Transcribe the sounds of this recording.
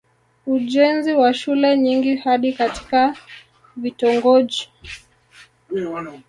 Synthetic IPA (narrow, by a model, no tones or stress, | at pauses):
uʄɛnziwaʃulɛɲiŋɡihaɗikati̥ka | vitɔŋɡɔʄi